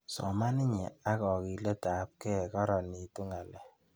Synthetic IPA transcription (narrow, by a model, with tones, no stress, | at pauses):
sɔ̰˨ma˦ni˦ɲɛ̰˨a˦kɔ˨ki˨le˦ta˨˦p̚kɛ˦˨kɔ˦ɾɔ˨ni˨tu˦ŋa˨lɛ˨